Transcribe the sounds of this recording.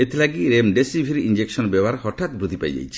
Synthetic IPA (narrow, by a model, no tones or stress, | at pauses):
et̪ilaɡiɾemɖesibʱiɾiind͡ʒeksɔnbɛwaɾhɔʈʰat̪bɾud̪ʱipa̰jd͡ʒa̰jt͡ʃʰi̥